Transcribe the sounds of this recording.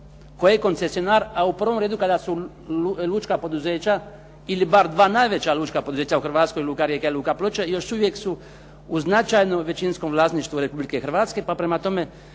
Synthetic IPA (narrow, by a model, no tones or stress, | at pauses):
kojeko̞nt̪sesionaːɾaupr̩ʋo̞mɾeːd̪ukad̪asu | lˠuːt͡ʃkapo̞d̪uzeːt͡ɕa | ilibaɾd̪ʋaːnajʋe̞t͡ɕalˠuːt͡ʃkapo̞d̪uzeːt͡ɕauxr̩ʋaːt̪sko̞jiluːkaɾjekaeluːkaplot͡ʃejo̞ʃuʋje̞ksu | uznat͡ʃajnoʋe̞t͡ɕinsko̞mʋlˠaːsniʃt̪ʋuɾe̞publike̞xr̩ʋaːt̪ske̞papɾemat̪o̞me̞